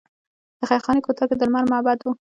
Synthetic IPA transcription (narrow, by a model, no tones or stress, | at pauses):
d̪̥əxajxɑnekot̪aked̪əlmaɾmabad̪wu